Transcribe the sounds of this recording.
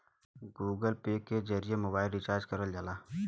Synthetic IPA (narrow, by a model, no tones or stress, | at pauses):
ɡuːɡəlpeːked͡ʒəɾijemoːbaːɪlɾit͡ʃaːɾd͡ʒkəɾəld͡ʒaːlaː